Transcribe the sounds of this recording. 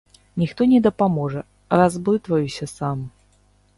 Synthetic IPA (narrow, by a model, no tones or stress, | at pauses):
nʲixt̪ɔnʲɛd̪ɐpamɔʐɛ | razbɨt̪vɐjusʲɐsam